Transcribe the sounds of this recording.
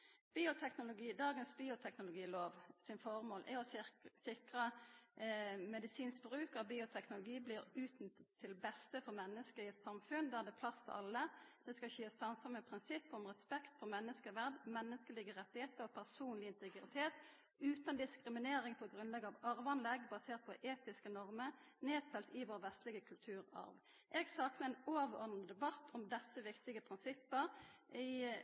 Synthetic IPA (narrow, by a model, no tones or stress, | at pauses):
b̥iːʊt̪ʰɛknʊlʊɡiːd̪ɑːɡənsbiːʊt̪ʰɛknʊlʊɡiːloːʋsɪnfɔʁmoːlʔɛɔsɪkʁə | mɛd̪ɪsiːnsbɾʉːkəʁbiːʊt̪ʰɛknʊlʊɡiːbliːɾʉːt̪n̩t̪t̪ʰːɪlbɛst̪əfɔmɛnːəskəɪɛt̪sɑmfʉnd̪æʁd̪ɛpʰlɑst̪ʰə̰ʔɑ̰lːəd̪̥ɛskɑçeːst̪ɑnsɑməpʰɾɪnsɪpːɔmʁɛspɛkt̪fɔʁmɛnːəskəʋæʁd̪mɛnːəskəlɪɡəʁɛt̪ːɪheːt̪əɔpʰæʁsuːnlɪɪnt̪əɡʁɪt̪ʰeːt̪ | ʉːt̪ɑnd̪ɪskʁɪmɪneːɾɪŋpʰɔɡʁʉnlɛɡəɑʋɑʁʋɑnlɛɡbɑseːʁt̪̚pʰɔʔeːt̪ɪskənɔʁməʁ | neːd̪fɛlt̪ɪʋoːʁəʋɛst̪lɪɡəkʰʉlt̪ʰʉːʁɑ̰ʁʋ | ʔɛːɡsɑːknəɛːnoːʋəɔd̪nd̪ɛbɑt̪ʰːɔmd̪ɛsːəʋɪkt̪ɪɡəpʰʁɪnsɪpːəʁɪ